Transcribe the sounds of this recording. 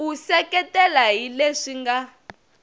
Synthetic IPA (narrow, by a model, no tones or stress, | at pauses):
usɛkɛtɛlaɦileʂiŋɡa